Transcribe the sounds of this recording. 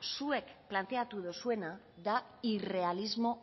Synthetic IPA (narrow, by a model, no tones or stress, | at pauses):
sue̞kplant̪e̞at̪uðosue̞na | ðaire̞alizmo̞